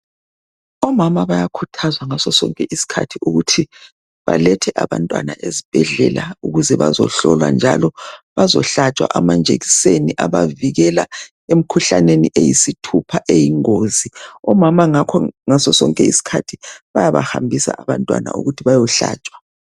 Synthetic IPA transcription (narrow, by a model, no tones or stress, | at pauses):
ɔmamaβajakʰutʰazwaŋasɔsɔŋkʼɛʔisi̥kʰa̰tʰiuɣutʰi | βa̰lɛtʰɛʔaβantʼwana̰ʔezib̥ʱɛɮɛlauɣuzɛβa̰zɔ̰ɬɔlwa̰nd͡ʒʱalɔβazɔɬat͡ʃʼwa̰ʔamand͡ʒʱeɣiseniʔaβaviɣɛla | em̩kʰuɬa̰neniʔejisitʰupʰaʔejiŋoːziɔmamaŋakʰɔŋasɔsɔŋkʼɛisi̥kʰatʰiβajaβa̰hambʱisa̰ʔaβantʼwa̰na̰ṵɣutʰiβajɔɬa̰ːt͡ʃʼwḁ